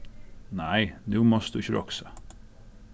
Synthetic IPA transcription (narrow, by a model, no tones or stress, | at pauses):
næɪnʉːmɔsd̪ʉɪçəɾɔ̰ksə